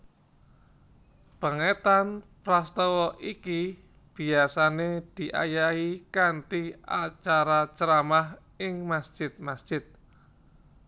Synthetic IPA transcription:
pəŋet̪anpɾast̪ɔwɔʔiki | b̥i̤asaned̪̥i̤ʔa̰jaikant̪iʔa̰t͡ʃaɾat͡ʃəɾamah | ɪŋmasd̥ʒ̥ɪt̪̚masd̥ʒ̥ɪt̪̚

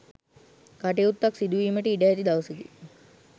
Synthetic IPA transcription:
kaʈeut̪ːaksid̪uʋiːməʈəiɖɐjːt̪id̪aʋəsid̪i

